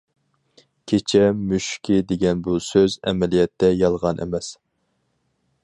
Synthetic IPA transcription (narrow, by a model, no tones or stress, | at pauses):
kʲʰet͡ʃʰɛmyʃkʲʰid̪eɡʲɛnbusøzɛ̰mɛlijɛt̪ʰːɛjɑlˠʁɑnʔɛ̰mɛs